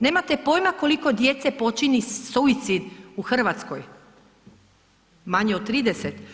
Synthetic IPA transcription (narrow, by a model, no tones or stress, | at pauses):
ne̞ːmat̪e̞po̞jmako̞liko̞d̪je̞t̪sepo̞t͡ʃinisoit̪sid̪uxr̩ʋat̪skoj | maɲeot̪̚t̪ːɾiːd̪eset̪